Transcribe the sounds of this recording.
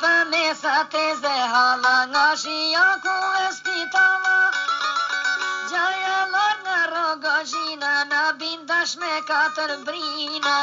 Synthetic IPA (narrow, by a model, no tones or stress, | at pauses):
pɐmesat̪ezeɦaːlaŋaːʃijakuɐst̪it̪aːʋa | d͡ʒajalaɾnaɾoɡɔd͡ʒinanabind̪ɐʃmekaːt̪ɐɾbɾina